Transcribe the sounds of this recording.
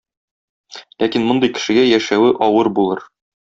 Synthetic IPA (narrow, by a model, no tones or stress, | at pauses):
lækinmŏnd̪ɤjkɘ̥̆ʃɘ̆ɡæjæʃæwɘʔɒwɤɾbulˠɤɾ